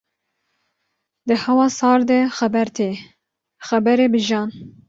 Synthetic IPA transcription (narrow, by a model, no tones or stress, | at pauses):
d̪ɨhɛwɑːsɑːɾd̪ɛxɛbɛɾt̪ʰeː | xɛbɛɾebɨʒɑːn